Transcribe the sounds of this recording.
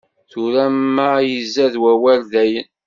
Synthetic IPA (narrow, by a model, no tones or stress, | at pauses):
θuɾæmːæjəzːæðwæwælðæjən